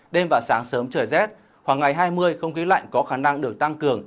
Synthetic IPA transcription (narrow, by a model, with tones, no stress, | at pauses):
ɗe˧mvaː˨˩wsaː˨˦ŋsəː˨˦mt͡ɕəː˧˩jzɛ˦˥t̚ | xwaː˨˩ŋːa˨˩jɦaː˧jmɨ˧əjxə˧wŋ͡mxi˨˦la̰˧˨jŋ̟kɔ˨˦xaː˧˩na˧ŋɗɨ˨˩ək̚t̪a˧ŋkɨ˨˩əŋ